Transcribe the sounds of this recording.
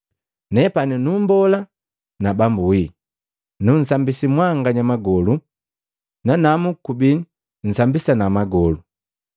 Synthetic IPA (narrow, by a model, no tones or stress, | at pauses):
nɛpaninumbɔla | nabambuwi | nun̩sambisimwaŋɡaɲamaɡɔlu | nanamukubi | n̩sambisanamaɡɔlu